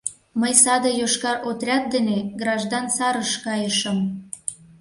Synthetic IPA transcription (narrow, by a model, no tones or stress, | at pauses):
məjsɑd̪ɤjoʃkɑɾʔot̪rʲɑt̪̚d̪eneɡrɑʒd̪ɑnsɑɾəʃkɑjəʃə̆m